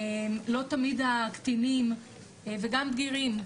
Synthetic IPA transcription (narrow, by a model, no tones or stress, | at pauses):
emlo̞t̪amid̪akt̪inim | veɡambɡiʁim